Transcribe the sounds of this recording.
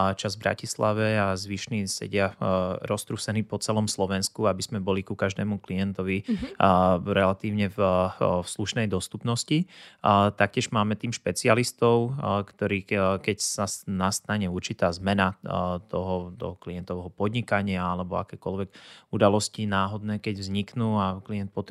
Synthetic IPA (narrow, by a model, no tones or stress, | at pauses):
t͡ʃazvbɾa̰cislaʋɛazʋiʃnisɛ̰ɟɪaɾɔst̪ɾusɛniːpɔt͡sɛlɔmslɔʋɛnskuabizmɛbɔlikukaʒd̪ɛːmukliɛnt̪ɔʋi | ɾɛlat̪iːʊɲɛvfsluʃnɛjd̪ɔst̪upnɔsci | t̪ak̚cɪɛʒmaːmɛt̪iːmʃpɛt͡sialist̪ɔʊkt̪ɔɾiːkɛcsasnast̪aɲɛuɾt͡ʃit̪aːzmɛnat̪ɔɦɔt̪ɔ̰ɦɔkliɛnt̪ɔʋɛɦɔpɔd̪ɲikaɲɪaalɛbɔa̰kɛːkɔlʋɛɡ̥ud̪alɔscinaːɦɔd̪nɛːkɛɟvzɲiknuːakliɛnt̪̚pɔt̪